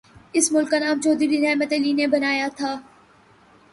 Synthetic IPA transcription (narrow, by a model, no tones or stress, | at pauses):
ɪsmʊlkːanaːmt͡ʃoːd̪ɾibiɾɛːmət̪elinebɐnaːjat̪ʰaː